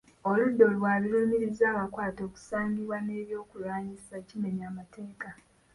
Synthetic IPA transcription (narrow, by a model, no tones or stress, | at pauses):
oludːo̞lwaːβiɾuːmiɾizaːβakwaːto̞ːku̥saːŋɡiβwane̞ːβjo̞ːkulwaːɲisacime̞ɲamatʰe̞ːka